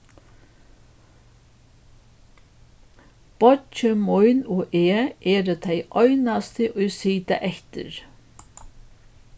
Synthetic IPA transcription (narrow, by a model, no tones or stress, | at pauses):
b̥ɔt͡ʃəmɔʏnoːʔeːʔeːɾət̪ʰæɪʔœʏnast̪əʔoʏsiːd̪ɑ̰ʔɛçt̪ə̰ɾ